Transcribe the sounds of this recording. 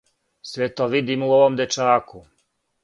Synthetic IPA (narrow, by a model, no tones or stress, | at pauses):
sʋet̪oʋid̪imuoʋomd̪et͡ʃaːku